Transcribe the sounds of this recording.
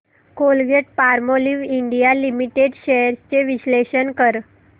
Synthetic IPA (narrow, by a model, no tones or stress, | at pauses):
kolɡeʈ̚paɾmoliʋiɳɖijalimiʈeɖɕeɾst͡ɕeʋiɕleɕənkəɾ